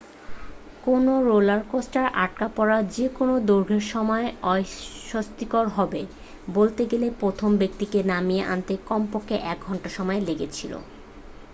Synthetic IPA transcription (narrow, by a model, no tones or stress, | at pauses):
konoɾolaɾkosʈaɾʔaʈ̚kapɔɾad͡ʑekonod̪oɾɡʱeɾʃɔmɔeɔjʃost̪ikoɾɦɔbe | bolt̪eɡelepɾot̪ʰombek̚t̪ikenamijeʔa̰nt̪ekɔmpokʰːeʔɛk̚ɡʱɔɳʈaʃɔmɔeleɡet͡ɕʰilo̰